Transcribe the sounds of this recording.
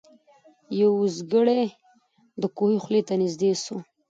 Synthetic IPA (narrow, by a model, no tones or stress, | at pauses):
jawuzɡəɽe | d̪əkohixlet̪anizd̪eso